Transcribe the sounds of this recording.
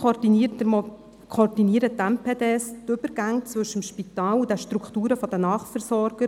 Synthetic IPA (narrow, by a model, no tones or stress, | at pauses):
od̥itmɔ | kʰod̥iniəɾət̪ɛmpʰeːd̪eːst̪ʏbəɾɡ̥æŋt͡svɵʃəmʃpitɑːlud̥̪ɛʃtɾuktuːɾəfɔd̥̪ənɑːχfɛɾsɔɾɡ̥ə